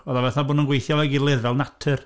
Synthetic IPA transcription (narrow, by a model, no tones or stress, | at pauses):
ɔðavɛθabʊːnənɡwejθjɔlˠɛɡilˠɛðɛlˠnatʰɨr